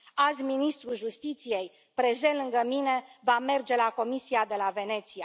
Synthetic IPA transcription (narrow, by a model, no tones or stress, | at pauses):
azʲminist̪ɾulʒust̪it̪sije̞j | pɾezelɨŋɡəmine̞vame̞rd͡ʒe̞lako̞misiad̪e̞lave̞ne̞t̪sija